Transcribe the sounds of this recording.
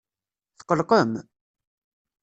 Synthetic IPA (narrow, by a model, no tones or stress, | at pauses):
θqəlqəm